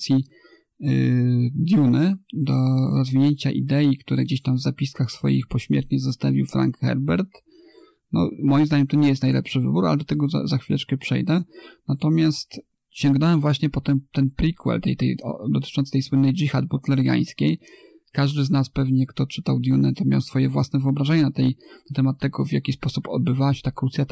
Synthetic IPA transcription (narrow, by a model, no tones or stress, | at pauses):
sʲji | d̪ʲjunɘd̪ɔɾɔzvʲiɲeɲt͡ɕaʔḭd̪ɛikt̪uɾɛɡd͡ʑeɕt̪amvzapʲiskaxsfɔ̰jḭxpɔɕmʲjɛ̰ɾt̪ɲɛzɔst̪avʲiwfɾa̰ŋkxɛ̰ɾbɛɾt̪ | nɔ̰mɔjimzd̪aɲɛmt̪ɔɲɛjɛst̪najlɛ̰pʂɘvɘ̰buɾa̰lɛd̪ɔt̪ɛɡɔza̰zaxfʲilɛt͡ʂkɛpʂɛ̰jd̪ɛnat̪ɔmʲjast̪ | ɕɛŋɡnɔwɛmvwaɕɲɛpɔt̪ɛmt̪ɛnpɾʲikwɛ̰lt̪ɛ̰jt̪ɛ̰jɔ̰d̪ɔt̪t͡ʂɔ̃ntsɨ̥t̪ɛjswɘnɛjd͡ʒixad̪̚but̪lɛɾja̰j̃skʲej | kaʐd̪ɘznaspɛvɲɛkt̪ɔt͡ʂɘt̪awd̪ʲjunɛt̪ɔmʲja̰wsfɔjɛvwasnɛvɨɔbɾaʐɛɲɛnat̪ɛjnat̪ɛmat̪ːɛɡɔvʲjakʲispɔsupɔ̰d̪̚bɘvawaɕɛ̥t̪akɾut̪sʲjat̪